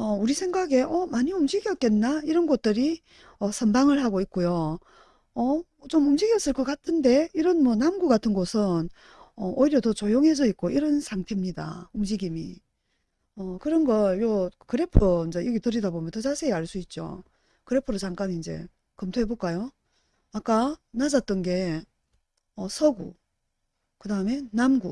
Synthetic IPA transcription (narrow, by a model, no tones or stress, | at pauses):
ʌuɾisʰe̞ŋɡaɡe̞ʔʌmaɲiumd͡ʑiɡiʌt̚k͈e̞nːaiɾʌnɡʌt̚t͈ɯɾi | ʌsʰʌnbaŋɯɭhaɡoik̚k͈ojo | ʌ | t͡ɕomumd͡ʑiɡiʌs͈ɯɭk͈ʌk͈atʰɯnde̞iɾʌnmwʌnamɡukatʰɯnɡosʰɯn | ʌʔoiɾjʌtʌt͡ɕojoŋɦe̞d͡ʑʌik̚k͈oiɾʌnsʰaŋtʰe̞mɲida̰umd͡ʑiɡimḭ | ʌkɯɾʌnɡʌɭjokɯɾe̞pʰɯond͡ʑejiɡitɯɾidabomjʌntʌt͡ɕasʰe̞ːaɭs͈uit̚t͡ɕ͈o̰ | kɯɾe̞pʰɯɾot͡ɕaŋk͈aɲiːnd͡ʑe̞̰ | kʌmtʰoebok͈ajo | ak͈anad͡ʑat͈̚ʌnɡe̞ | ʌsʰʌɡṵ | kɯdaɯme̞namɡu